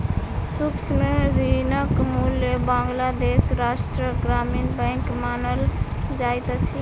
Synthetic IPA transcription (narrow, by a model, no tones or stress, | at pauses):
sukt͡ʃʰmeɾinəkmuljəbãŋɡlad̪esɾaʃʈɾəɡɾaminbəŋkmanəld͡ʒajt̪t͡ʃʰi